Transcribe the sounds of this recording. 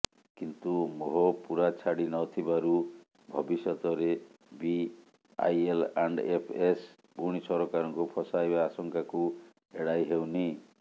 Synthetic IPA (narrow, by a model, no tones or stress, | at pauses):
kint̪umoɦɔpuɾat͡ʃʰaɽinɔt̪ʰibaɾu | bʱɔbisɔt̪ɔɾe | bi | a̰jela̰ɳɖepʰes | puɽ̃isɔɾɔkaɾɔŋkupʰɔsajbaːsɔŋkaku | eɽajɦewni